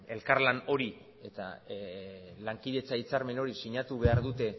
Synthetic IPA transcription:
e̞lkaɾlano̞ɾi | e̞t̪a̰ | laŋkiðe̞t͡sait͡saɾme̞no̞ɾisiɲat̪uβe̞aɾðut̪e̞

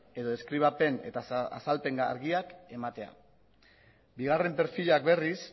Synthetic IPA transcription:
e̞ðo̞e̞skɾiβ̞ape̞ne̞̰t̪aa̰salpe̞ŋɡa̰ɾɣiake̞mat̪e̞a̰ | biɣ̞are̞mpe̞ɾfiʎak̚be̞ris

